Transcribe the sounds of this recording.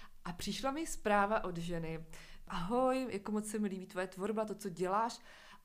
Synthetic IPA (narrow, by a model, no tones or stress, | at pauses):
ʔapr̝̥ɪʃlamɪspɾaːvaʔo̞dʒɛnɪʔaɦojjakomot͡ssɛmɪliːbit̪vojɛt̪vo̞ɾbat̪̬o̞t͡so̞ɟɛlaːʃ